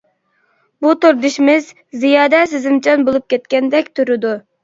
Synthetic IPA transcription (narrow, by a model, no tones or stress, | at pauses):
but̪uɾd̪yʃimɪz | zijɑːd̪ɛsɪzɪmt͡ʃʰɛnbolˠup̚kʲɛt̪kʲɛnd̪ɛkʲt̪ʰyɾɪd̪u